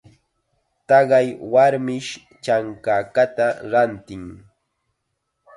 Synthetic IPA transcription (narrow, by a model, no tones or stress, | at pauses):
t̪ɑɢɑjwaɾmɪʃ | t͡ʃaŋkakat̪aɾant̪ɪŋ